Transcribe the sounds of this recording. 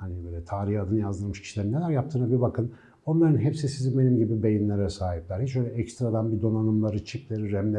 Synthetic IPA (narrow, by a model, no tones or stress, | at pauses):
hanibøjlʲɛt̪ʰaːɾihad̪ɯnɯjazd̪ɯɾmɯʃcʰi̥ʃilʲe̞ɾinːelʲæɾjap̚t̪ʰɯːnabibakʰɯn | o̞nlˠaɾɯnɦepsisizinbe̞nimɟibibe̞jinlʲeɾɛsaːɦiplʲæɾhit͡ʃøjlʲɛɛcst̪ɾad̪anbid̪o̞nanɯmlˠaɾɯt͡ʃʰiplʲeɾiɾæmlʲe